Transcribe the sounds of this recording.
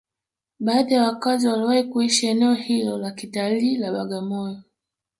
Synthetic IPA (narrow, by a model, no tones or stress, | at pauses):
ɓaːðajawakaziwaliwahikuiʃiɛnɛɔhilɔlakitaliːlaɓaɠamɔjɔ